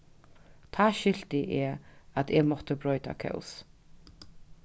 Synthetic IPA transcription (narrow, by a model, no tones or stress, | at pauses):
t̪ʰɑːʃʏl̥t̪ɪʔɛːat̪ʰɛːɡmɔt̪əbɾɔʏt̪a̰kʰœ̰ʊs